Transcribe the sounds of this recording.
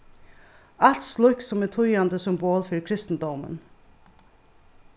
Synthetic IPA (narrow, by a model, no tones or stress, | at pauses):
ɑlt̪slʊksɔmɛt̪ʰʊjɑnd̪əsɔmboːlfœɾkʰɾɪst̪n̩d̪ɔmə̰n